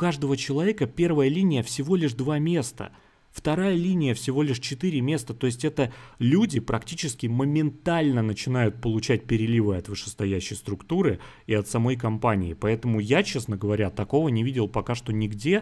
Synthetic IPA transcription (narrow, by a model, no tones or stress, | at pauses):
kaʐd̪əvət͡ɕɪlˠɐvʲekəpʲe̞rvəjəlʲinʲɪjəfsʲɪvo̞lʲɪʂd̪vamʲe̞st̪ə̰ | ft̪ɐɾajəlʲinʲɪjəfsʲɪvo̞lʲɪʂt͡ɕɪt̪iɾʲɪmʲe̞st̪ət̪o̞ɪsʲtʲɛt̪əlʲudʲɪpɾɐktʲit͡ɕɪskʲɪməmʲɪnt̪alʲnənət͡ɕɪnajʊt̪̚pəlˠʊt͡ɕæt̚ʲpʲɪɾʲɪlʲivəɐt̪vɨʂɨ̥st̪ɐjæɕːɪjst̪ɾʊkt̪uɾɨ | iɐt̪sɐmo̞jkɐmpanʲɪ̰ɪpɐɛt̪əmʊjat͡ɕe̞snəɡəvɐɾʲat̪ɐko̞vənʲɪvʲidʲɪlˠpɐkaʂt̪o̞nʲɪɡdʲe̞